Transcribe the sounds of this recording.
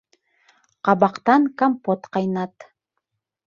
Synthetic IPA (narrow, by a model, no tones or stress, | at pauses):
qʰɑβɑqt̪ɑŋkampot̪qɑjnɑt̪